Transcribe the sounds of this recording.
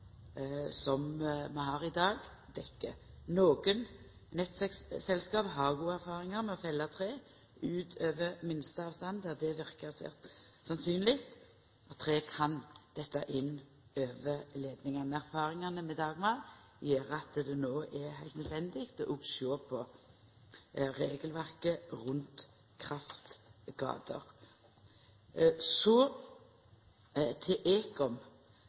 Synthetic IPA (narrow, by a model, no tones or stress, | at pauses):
sɔmmɛɦɑɾɪd̪ɑːɡ | d̪ɛkːənoːɡən | nɛt̪ːæksɛlskɑːpɦɑɾɡuːəæɾfɑːɾɪŋɑɾmɛɔfɛlːɑt̪ʰɾeː | ʉːt̪ʰøːʋəmɪnst̪əɑːʋst̪ɑnd̪əd̪ɛʋɪɾkəsḛːʁt̪sɑnsyːnlɪkt̪ | ɑt̪ʰːɾeːkʰɑnd̪̥ɛt̪ːəʔɪnː | øːʋəleːd̪nɪŋɑnəæʁfɑːʁɪŋɑnəmɛd̪ɑːɡmɑl | jeːɾɑt̪d̪ɛnoːʔɛhæɪlt̪nœd̪ʋɛnd̪ɪɡt̪ɔʔʊɡʃoːpʰɔ | ɾeːɡəlʋæʁkəɾʉnt̪ | kʰɾɑft̪ɡ̥ɑ̰ːd̪ə̰ʁ | sɔ | t̪ʰɪʔeːkɔm